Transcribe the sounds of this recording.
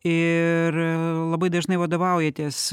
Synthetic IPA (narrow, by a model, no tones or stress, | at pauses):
ɪrlˠɐbɐɪd̪ɐʒnɐɪʋɐd̪oːʋɐʊjɛt̪ʲiːs